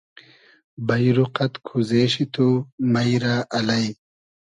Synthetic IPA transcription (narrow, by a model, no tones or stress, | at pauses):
bɐjɾuqɐt̪kʰuzeːɕit̪ʰumɐjɾaːʔɐlɐj